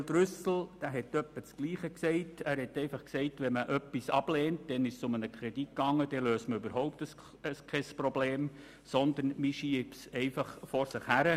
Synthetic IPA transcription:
ld̥̪ɾʏsl̩d̥æːɦɛtːœpːət͡skliːχəksɛɪtæːɾhɛtɛɪfɑχksɛɪtʋɛməʔœpːisɑ̰b̥lɛːntd̥ɛnɪʃsʊmənəkʰɾɛd̥it̚kɑŋːəd̥ɛløːsməybəɾɦɔʊp̚təs | əskʰɛsprɔbleːm | sɔnd̪ənmiʃiəpsɛɪfɑχfɔɾsɪχhæɾə

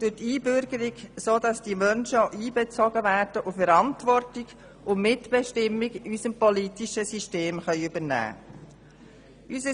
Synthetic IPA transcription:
d̥ʊtiːbʏɾɡəɾiɡsoːdɑsd̥imœnʃəʔiːbɛt͡sɔɡəvæːɾd̥əʔʊfɛɾɑntʋɔrtiɡ | ʊmɪtb̥ɛʃtɪmːiɡysəmpɔlitiʃəsiʃteːmχœʏybənæ̰ː | ysə

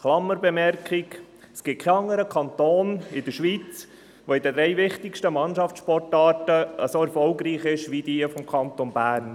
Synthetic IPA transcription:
χlɑmːəɾbɛmɛɾkʰɪɡ | sɡ̥ɪt̚kʰɛɑŋːəɾəkʰɑntoːnɪd̪əʃʋit͡s | ʋoɪd̥̪əd̥ɾɛɪʋɪχtɪkʃtəmɑnʃɑft͡ssʃpɔtɑːtəəsoɛɾfɔlɡɾiːχɪʃʋidiəfɔmkʰɑntonbæːɾn

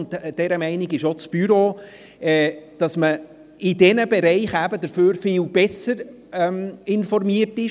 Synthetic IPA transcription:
ntd̥ɛɾəmɛɪnɪɡɪʃot͡sb̥yɾo | ɛd̥ɑsmə | ɪdɛnəbɛɾɛɪχæbədəɾføːɾfɪlb̥ɛsəɾ | ɛmɪnfɔrmiərtɪʃ

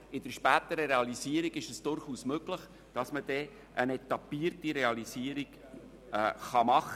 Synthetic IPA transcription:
ɪd̥əɾʃpæːt̪əɾəɾeɑliziːəɾiɡɪʃɛsd̥ʊɾχuːsmøɡləχ | d̥ɑsməd̥ɛ | ʔənɛtɑpiːərtiɾeɑlisiːəɾiɡ | ɛːχɑmɑχə

